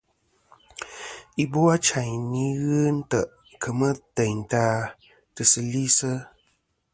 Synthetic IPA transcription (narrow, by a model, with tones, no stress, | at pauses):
i˦bo˦a˦t͡ʃa˨ɲni˦ɣɨ˦n̩˦tə˨ʔ | kʰə˨mə˦tə˨ɲn̩˨taː˦ | tɨ˨sɨ˧li˦sə˦